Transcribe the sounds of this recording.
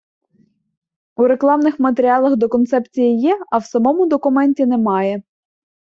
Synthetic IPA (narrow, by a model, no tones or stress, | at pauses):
uɾe̞klˠɑmnɪxmɐt̪eɾʲiɑlˠɐxd̪ɔkɔnt̪sɛpt͡sʲijijɛɐwsɐmɔmʊd̪ɔkʊmɛnʲtʲinɛmɑjɛ